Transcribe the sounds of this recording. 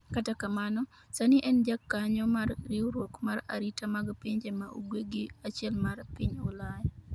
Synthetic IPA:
katakamanɔ | saniʔɛnd͡ʒakːaɲɔmarːiuɾwokmaɾa̰ɾitamaɡpiɲd͡ʒemaʔṵɡweɡiat͡ʃɛlmarpɪɲʊlaja

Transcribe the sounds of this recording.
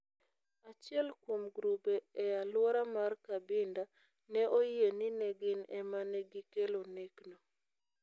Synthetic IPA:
at͡ʃɪɛlkwomɡɾubɛɛalwɔɾamarkabɪnda | nɛʔojenɪnɛɡɪnɛmanɛɡikelonekno

